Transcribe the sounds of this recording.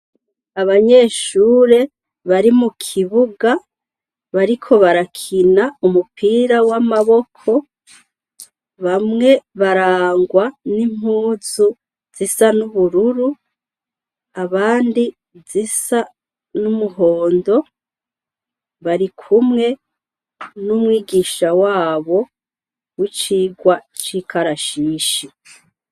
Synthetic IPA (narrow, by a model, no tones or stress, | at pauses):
aβaɲe̞ːʃuːɾe̞ | βaɾimukʰiβuɡa | βaɾikʰo̞βaɾakʰinaumupʰiːɾawamaβo̞kʰo̞ | βamŋe̞βaɾaːŋɡwanim̥huːzu | z̥isanuβuɾuɾu | aβaːndi | zisa | numuɦo̞ːndo̞ | βaɾikʰumŋe̞ | numwiːɡiːʃawaːβo̞ | wit͡ʃiːɡwat͡ʃiːkʰaɾaʃiːʃi